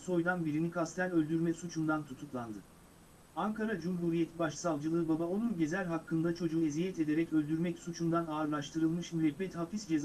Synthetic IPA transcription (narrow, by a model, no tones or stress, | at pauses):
so̞jd̪anbiɾinikʰast̪ʰænø̞lʲd̪yɾmɛsut͡ʃʰund̪ant̪ʰut̪ʰuklˠand̪ɯ | aŋkʰaɾad͡ʒumɦuːɾije̞t̪ʰibaʃsalˠd͡ʒɯlˠɯːbabao̞nunɟe̞zælʲɦakʰːɯnd̪at͡ʃʰo̞d͡ʒuːezijɛt̪e̞d̪e̞ɾɛcø̞lʲd̪yɾmɛcsut͡ʃʰund̪anaːɾlˠaʃt̪ʰɯɾɯlˠmɯʃɾɛbːɛt̪hafisd͡ʒe̞z